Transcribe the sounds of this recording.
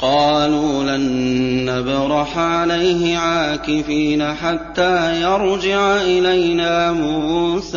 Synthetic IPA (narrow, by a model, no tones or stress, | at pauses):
qɑːluːlanːabɾˤɑħʕalajɦɪʕaːkɪfiːnaːħat̪ːaːjɑɾˤd͡ʒɪʕaʔɪlajnaːmuːsa